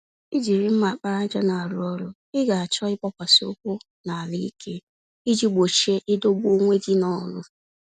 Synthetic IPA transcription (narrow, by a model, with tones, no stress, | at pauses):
i˦d͡ʒi˨ɾi˦m̩˦ma˨k͡pa˦ɾa˦d͡ʒɔ˦na˨a˨ɾʊ˦ɔ˦ɾʊ˦ | ɪ˦ɡa˨a˨t͡ʃɔ˦ɪ˦k͡pɔ˦kʷa˨sɪ˨˦o̰˦kʷʊ˦ | na˨a˨li˦i˦kʰe˦ | i˦d͡ʒi˦ɡ͡bo˨t͡ʃe˦ʔɪ˦do˦ɡ͡bo˦ŋʷe˦di˦nɔ˦˨˦lʊ̰˦